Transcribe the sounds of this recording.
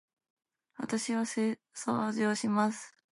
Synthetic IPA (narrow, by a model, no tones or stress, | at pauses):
βa̰t̪aɕiβase | so̰ʑoːɕimasɨ̥